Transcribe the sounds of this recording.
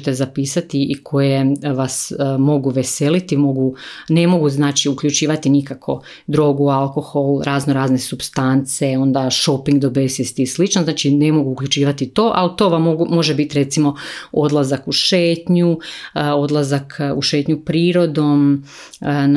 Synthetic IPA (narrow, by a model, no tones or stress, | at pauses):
t̪ezapiːsat̪iʔikʰo̞jeʋasmo̞ɡuʋe̞se̞lit̪imo̞ɡune̞mo̞ɡuznaːt͡ʃiukʎut͡ʃiːʋat̪inikakʰo̞̰ | d̪ɾo̞ːɡualˠko̞xolɾʔaːznoɾaːznesubst̪ant̪seo̞nd̪aʃo̞piŋɡd̪obesist̪islit͡ʃnoznaːt͡ʃine̞mo̞ɡuːkʎʲut͡ʃiːʋat̪it̪o̞ːʔalt̪o̞ːʋamoɡumo̞ʒebit̪iɾe̞t̪simo̞o̞d̪lˠazakuʃeːt̪ɲuo̞d̪lˠazakʰuʃeːt̪ɲupɾiːɾo̞d̪o̞m | n